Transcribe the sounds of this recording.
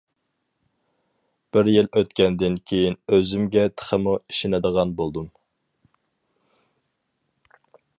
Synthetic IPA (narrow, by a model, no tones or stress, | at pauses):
b̥ɪɾjiløt̪kʲʰɛnd̪ɪnkʲʰejinøzymɡʲɛt̪ʰə̥χʰəmuiʃɪnɪd̪əʁɑnbolˠd̪um